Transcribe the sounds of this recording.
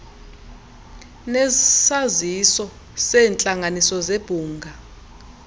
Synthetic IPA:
nɛsazisɔ | sɛːnt͡ɬʼaŋʱanisɔzeb̥ʱuːŋɡʱa

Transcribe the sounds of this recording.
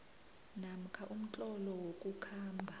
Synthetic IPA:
nam̩kʰaʔum̩t͡ɬʼɔlɔwokʼukʰaːmbʱa

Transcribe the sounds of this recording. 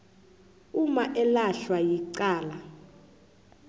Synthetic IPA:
umaʔɛlaɬwajiǀaːla

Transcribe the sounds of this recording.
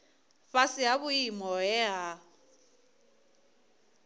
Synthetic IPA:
ɸasɪaβʊimɔɛɦa

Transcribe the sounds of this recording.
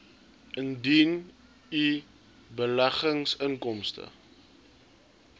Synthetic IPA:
ʔəndin | i | bəlæχəŋsəŋkɔmstə̰

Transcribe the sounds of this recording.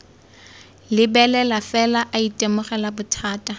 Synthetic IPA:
lɪbɛlɛlafɛlaʔaitʼemʊχɛlabʊtʰaːtʼa

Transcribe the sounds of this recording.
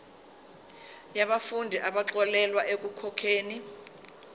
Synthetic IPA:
jaɓafundʱiʔaɓaǁɔlɛlwaʔek̬ukʰɔkʰeːni

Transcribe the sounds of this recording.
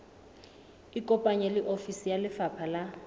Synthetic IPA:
ikʼɔpʼaɲɛlɪʔofisijalɪfapʰala

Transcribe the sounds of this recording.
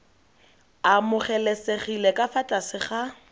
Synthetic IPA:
amʊχɛleseχilekʼafatʼasɪχa

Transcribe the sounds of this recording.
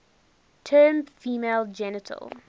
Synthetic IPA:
tʰɜːmfiːmeːlˠd͡ʒɛnətʰə̰lˠ

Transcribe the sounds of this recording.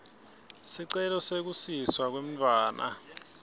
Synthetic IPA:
siǀɛlɔsek̬usiswak̬wem̩tʰʼwaːnʔa̰

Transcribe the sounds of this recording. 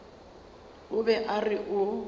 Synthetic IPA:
ʊbɛʔarɪʔʊ

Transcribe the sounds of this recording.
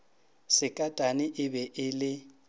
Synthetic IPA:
sɪkʼatʼanɪʔɪbɛʔɪlɪ

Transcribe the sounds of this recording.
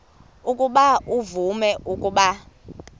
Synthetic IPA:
ukʼuɓaʔuvumɛʔukʼuɓa

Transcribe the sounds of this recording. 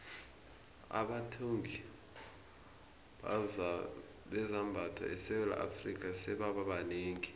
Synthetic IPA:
a̰ɓatʰoŋʱi | ɓɛzambʱatʰa̰ʔɛsɛwɛla̰ʔa̰frikʼasɛɓaɓaɓaneːŋi

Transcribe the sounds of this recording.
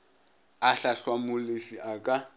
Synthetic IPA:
aɬaɬwamʊlɪfiʔakʼa

